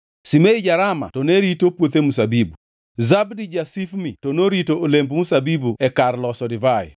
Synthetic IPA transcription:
simeid͡ʒaɾama̰tɔneɾitopwot̪emusabibu | zabdid͡ʒasifmitɔnoɾitoːlembmusabibuɛkarlɔsɔdɪvajɛ̰

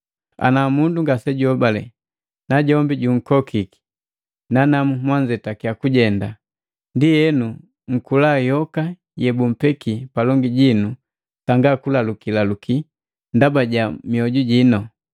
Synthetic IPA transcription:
a̰namunduŋɡasɛɟuɔbalɛ̰ | naɟɔmbiɟuŋ̩kɔkʰiki̥ | nanamumwaɲd͡ʒɛtakiakuɟɛnda | ndijɛnu | ŋ̩kulajɔka | jɛbum̩pɛkipalɔŋɡiɟinu | taŋɡakulalukilalukʰi | ndabaɟamiɔɟuɟinɔ

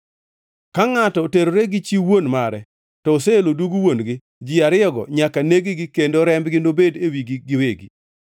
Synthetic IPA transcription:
kaŋatɔoteɾoɾeɡɪt͡ʃiwonmaɾɛ | tɔːseeloduɡuwonɡɪ | d͡ʒɪaɾɪɔɡɔ̰ɲakaneɡiɡɪkendoɾɛmbɡɪnobedewiɡɪɡɪweɡi

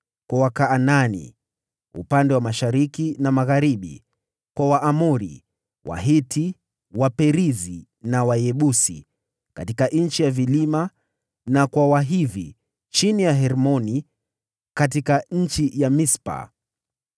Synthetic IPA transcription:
kwawakaːnanḭ | ṵpandɛwamaʃaɾikinamaɣaɾiɓḭ | kwawaʔamuɾḭ | wa̰ɦitʰi | wapɛɾizi | nawajɛɓusḭ | katikaʔɲ̩t͡ʃijavilima | nakwawaɦivḭ | t͡ʃinijaɦɛɾmɔni | katikaɲ̩t͡ʃijamispa̰

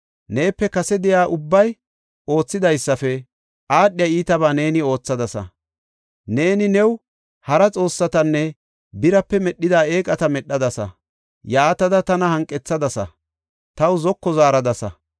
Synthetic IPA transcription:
ne̞ːpːɛkɐsɛd̪ɪjaːʔʊbːɐj | o̞ːt͡sːɪd̪ɐjsːɐfɛ | ʔaːɗːɪjɐiːt̪ɐbaːne̞ːnɪo̞ːt͡sːɐd̪ɐsɐ̰ | ne̞ːnɪnɛw | hɐɾɐt͡sʼo̞ːsːɐt̪ɐnːɛ | bɪɾɐpːɛmɛɗːɪd̪aːe̞ːkʼɐt̪ɐmɛɗːɐd̪ɐsɐ̰ | jaːt̪ɐd̪ɐt̪ɐnɐhɐŋkʼːɛt͡sːɐd̪ɐsɐ̰ | t̪ɐwzɔkːɔzaːɾɐd̪ɐsɐ̰

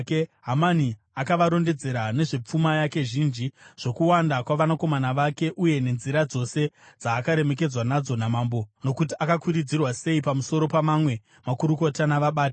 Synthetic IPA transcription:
keɦamani | akaʋaɾo̞nde̞d͡ze̞ɾane̞ʐe̞p͡fumajake̞ʒind͡ʒiʐ̥o̞kuwandakwaʋanako̞manaʋake̞ʔuje̞ne̞nziɾad͡zo̞se̞d͡zaːkaɾe̞me̞k̬e̞d͡zwanad͡zo̞namaːmbono̞kutiakakuɾid͡zirwase̞ipamuso̞ɾo̞pamamwe̞ | makuɾuko̞tanaʋaɓaːt

